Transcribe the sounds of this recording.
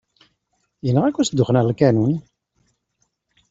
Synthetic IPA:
jənːəʁækʷːæsd̪ːʊχnæʁlkænun

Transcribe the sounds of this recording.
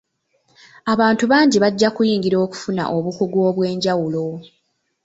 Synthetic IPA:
aβaːntuβaːɲɟiβaɟːakujiːŋɡiɾo̞ːku̥funa̰ʔo̞βukuɡo̞ːβwe̞ːɲɟawulo̞

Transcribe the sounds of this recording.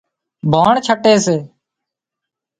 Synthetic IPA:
bʱaːɳt͡ʃʰəʈeːseː

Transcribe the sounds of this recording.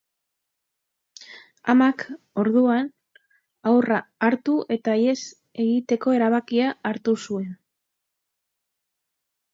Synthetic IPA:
a̰mak | o̞ɾðuan | awraːɾt̪uʔe̞t̪aje̞s | e̞ɣit̪e̞ko̞e̞ɾaβ̞akiaːɾt̪usue̞n

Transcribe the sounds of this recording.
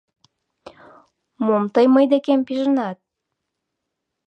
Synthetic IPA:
momt̪əjməjd̪ekempiʒənɑt̪̚

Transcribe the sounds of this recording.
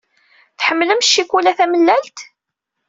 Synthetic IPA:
θħəmːləmʃːikulæθæməlːælt̪

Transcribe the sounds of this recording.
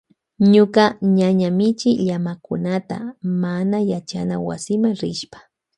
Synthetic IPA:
ɲʊkaɲaɲamɪt͡ʃɪʎamakʊ̰nat̪a̰manajat͡ʃa̰nawa̰sɪmaŋɾɪʃpḁ

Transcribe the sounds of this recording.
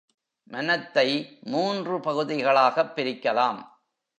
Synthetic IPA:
mɐnɐt̪ːɐɪmuːndrɯpɐɣɯðɪɣɐɭaːɣɐpːɪɾɪkːɐlaːm

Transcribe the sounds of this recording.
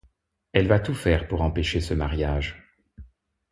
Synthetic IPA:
ɛlvat̪ufɛʁpuʁɑ̃peʃesəmaʁjaʒ

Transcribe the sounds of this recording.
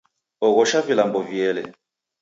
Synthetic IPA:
ɔɣɔʃavilambɔvjɛlɛ̰

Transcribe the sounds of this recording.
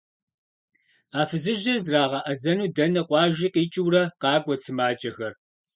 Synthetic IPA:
aːfɨzɨʒɐzraːʁɐʔɐzɐnuːdɐnɐqʷɑːʒiːqiːt͡ʃʼɪwrɐqɑːɡʷɐt͡sʰɨmaːt͡ʃʼɐxɐr

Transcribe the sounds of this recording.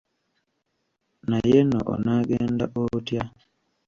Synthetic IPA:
najeno̰ʔɔ̰naɡɛndaʔotja

